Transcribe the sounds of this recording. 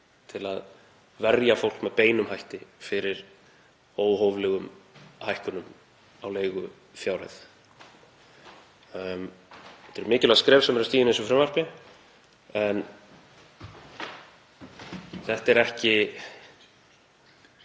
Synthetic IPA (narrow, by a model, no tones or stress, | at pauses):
t̪ʰɪlað | vɛɾjafowl̥kmɛðpeːjnʏmhajht̪ɪfɪɾɪɾ̥ | oːwɦoːwvlɛɣʏmhajhkʏnʏm | awleːjɣʏ | fjaːwɾɛ̰θ | mɛ̥t̪ɛɾmɪːcɪlɛskɾɛːvsɛmɛɾʏst̪iːjnensɔfɾɛmvar̥pɪ | ɛn | θɛht̪ɛɾɛhcɪ